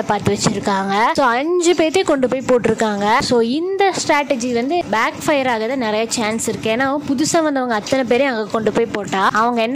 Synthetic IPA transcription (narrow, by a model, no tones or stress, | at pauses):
ɐpaːɾt̪ɯʋɐt͡ʃːɪɾɯkːaːŋɡɐsoːɐɲd͡ʒɯpeːɾt̪ːeːkɔɳɖɯpoːjpoːʈːɪɾɯkːaːŋɡɐsoːɪnd̪ɐsʈɾaːʈːɛd͡ʒikːʋɐnd̪ɯbaːkfɐjɐɾaːɣɐt̪ãːnɪɾɐjaːt͡ʃaːnsɪɾɯkːẽeːnːaːɐʋɐ̃pʊðʊsãːʋɐnd̪ɐʋɐŋɡɐːt̪ːɐnɐp̬eːɾeɐʋɐŋɡɐkɔɳɖɯpoːjpoːʈːãːɐʋɐŋɡɐɛnː